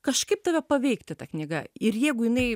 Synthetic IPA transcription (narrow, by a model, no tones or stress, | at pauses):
kɐʃkɐɪp̚t̪ɐʋʲɛpɐʋʲɛɪkt̪ʲɪt̪ɐknʲɪɡɐɪɾjɛɪɡʊjɪnɐɪ